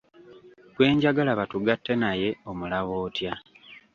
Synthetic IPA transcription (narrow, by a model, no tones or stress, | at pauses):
kwe̞ːɲɟaɡalaβatuɡatʰːe̞naje̞o̞mulaβoːtja